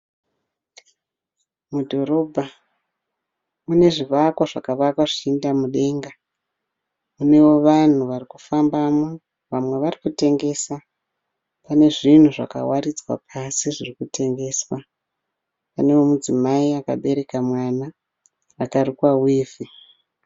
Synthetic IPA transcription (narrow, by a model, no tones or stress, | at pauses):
mudʱo̞ɾo̞bʱa | mune̞ʐiʋakwaʐakaʋakwaʐiindamuɗe̞ːŋɡa | mune̞wo̞ʋan̤uʋarikufambamo | ʋamwe̞ʋarikute̞ŋɡe̞ːsa | pane̞ʐin̤uʐa̰ka̰warid͡zwa̰pʰasiʐirikute̞ŋɡe̞ːswa | pane̞womud͡zimaiaka̰ɓe̞ɾe̞kamwanaː | kaɾikwawiːvi